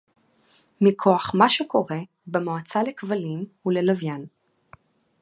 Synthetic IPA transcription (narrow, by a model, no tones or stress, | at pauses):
mikʰo̞aχmaʃeko̞ʁe̞ | bemoat͡salekvalimulelavjan